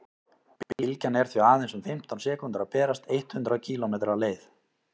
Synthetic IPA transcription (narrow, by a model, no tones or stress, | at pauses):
plcanɛɾ̥θviaːðejnsʏmfɪm̥t̪ʰawnsɛːkʏnt̪ɾapɛːɾast̪ejht̪hʏnt̪ɾacʰiːlomeːt̪ɾaleːjθ